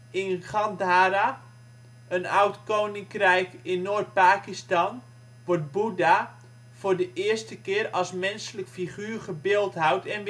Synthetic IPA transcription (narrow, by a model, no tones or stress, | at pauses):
ɪnχɑndaːɾa | ənawtkownɪŋkrɛjkɪnːoːrt̚paːkistan | ʋɔt̚buda | v̥ʊːrdəʔɪərstəkɪərɔsmɛnsələkfiχyːrχəbɪːlˠtɦawtʰɛn